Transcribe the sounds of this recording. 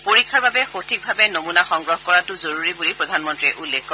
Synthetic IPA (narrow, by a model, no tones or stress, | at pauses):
poɹikʰːaɹbabɛxotʰik̚bʱabɛnomunaxɔŋɡɹɔɦkɔɹatʊzoɹuɹibulipɹɔdʱanmɔntɹiɛʔulːekʰːɔ